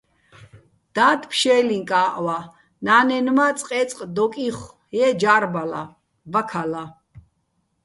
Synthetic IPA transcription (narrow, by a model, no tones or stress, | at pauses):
d̪̥aːt̪pʰʃɛːliŋkʼaːʔwa | naːnɛnmat͡sʼqʼɛt͡sʼqʼd̪ɔkʼiχ | jɛd͡ʒaɾbala̰ | vakʰala